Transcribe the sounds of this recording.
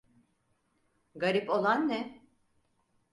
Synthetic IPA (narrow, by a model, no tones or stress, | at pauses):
ɡaɾipo̞lˠanːɛ